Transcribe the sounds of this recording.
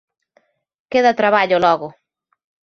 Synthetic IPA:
keðat̪ɾaβaʎolɔɣo

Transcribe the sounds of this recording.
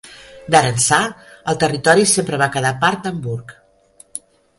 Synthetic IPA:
d̪əɾənsaəlˠt̪ərit̪ɔɾisempɾəβakəðapaɾt̪̚d̪əmbuɾk

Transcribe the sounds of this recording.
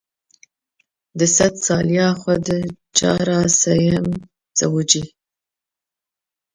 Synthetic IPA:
d̪əsat̪sɑljɑxwad̪ə | t͡ʃɑ̰ɾɑsajɪm | t͡sawud͡ʒi

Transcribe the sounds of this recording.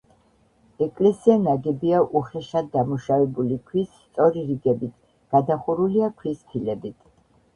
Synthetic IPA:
ɛkʼlɛsianaɡɛbiaʔuχɛʃad̪ːamuʃavɛbulikʰwisːt̪sʼɔɾiɾiɡɛbit̪ʰ | ɡ̥ad̪aχuɾuliakʰwispʰilɛbit̪ʰ

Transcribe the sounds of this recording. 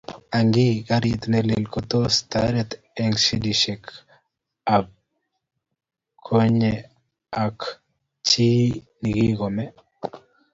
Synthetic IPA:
aŋɡikaɾit̪nɛlilkot̪ost̪aɾɛt̪ | ɛŋʃidiʃɛk | a | kʰoɲe | ak | t͡ʃi | niɡiɡomɛ

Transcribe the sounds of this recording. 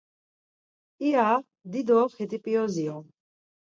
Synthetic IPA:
ia | d̪id̪ɔχɛd̪ipʼiɔziɔ

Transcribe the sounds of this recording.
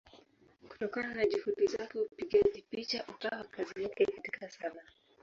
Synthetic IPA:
ku̥tɔkananaʄuhuɗizakɛpiɠaʄipit͡ʃaʔukawakaziakɛkati̥kʰasana

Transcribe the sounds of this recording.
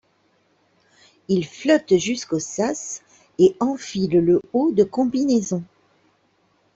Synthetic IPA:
ilflɔt̪ʒyskosas | eɑ̃filləod̪əkɔ̃binezɔ̃

